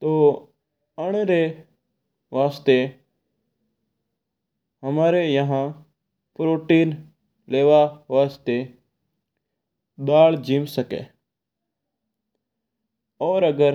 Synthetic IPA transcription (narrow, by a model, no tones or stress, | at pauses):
t̪oː | əɽ̃eɾe | ʋaːst̪e | ɦəmaːɾejəɦã | pɾoːʈiːn | leːʋaʋaːst̪e | d̪aːɭd͡ʒimsəkḛː | ɔːɾəɡəɾ